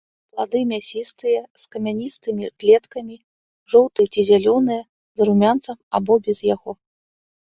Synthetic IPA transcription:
plˠad̪ɨmʲasʲist̪ɨjɐskɐmʲanʲist̪ɨmʲiklʲɛt̪kɐmʲi | ʐɔwt̪ɨjɐt͡sʲizʲalʲɔnɨjɐ | zɐɾumʲant̪sɐma̰bɔbʲɛzjaɣɔ

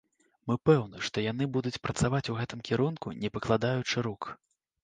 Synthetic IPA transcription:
mɨpɛwnɨʂt̪ɔjan̪ɨbud̪ut͡sʲpɾɐt̪savat͡sʲuɣɛt̪ɨmkʲɛɾunkunʲɛpɐklˠad̪ajut͡ʂɨɾuk

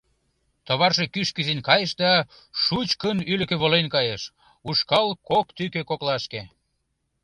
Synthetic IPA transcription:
t̪oβɑrʃekyʃkyzenkɑjəʃd̪ɑ | ʃut͡ɕkənylə̆keβolenkɑjeʃ | uʃkɑlkokt̪ykøkoklɑʃke

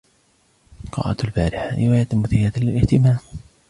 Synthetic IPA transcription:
qɑ̰ːʔa̰t̪lbaːɾɪħaɾɪwaːjat̪ɪmːʊθɪjaːt̪alɪlʔɪht̪ɪmaːm

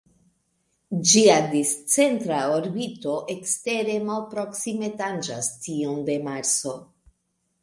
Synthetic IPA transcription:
d͡ʒiadist͡se̞ntɾaoɾbito̞ʔekste̞ɾe̞malpɾo̞ksime̞tand͡ʒastionde̞maɾt͡so̞

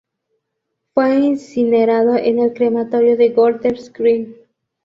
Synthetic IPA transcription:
fweinsineɾaðoʔenelkɾemat̪oɾjoðeɣold̪eɾskɾin

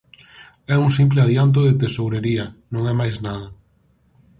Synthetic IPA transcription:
ɛuŋsimpleaðjant̪̬oðet̪esowɾeɾiɐnõŋɛmajznað̞ɐ

